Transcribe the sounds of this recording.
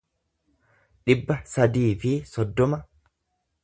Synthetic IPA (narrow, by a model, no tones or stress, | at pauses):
ᶑɪbːɐsɐd̪iːfɪsɔd̪ːɔmɐ